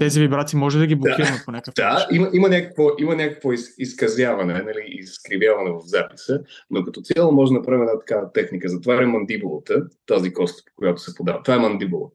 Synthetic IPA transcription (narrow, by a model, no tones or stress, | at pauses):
t̪ɛzivibɾat̪simɔʒɛd̪ɐɡiblˠokaiɾɐmɛponʲakkd̪aimɐʔimɐnʲakəkvoʔimənʲakəkvoisiskɐzʲjavɐnɛnɐliizskɾivʲjavɐnɛvɐvzapi̥sənokɐt̪ɔt̪sʲalˠomɔʒd̪ɛnɐpɾavimɛd̪at̪ɐ̥kavət̪ɛxnikəzɐt̪ovaɾɛmɐnd̪ibulˠət̪ət̪azikɔst̪po̥kojat̪o̥sɛpod̪avət̪ovaɛmɐnd̪ibulˠə̰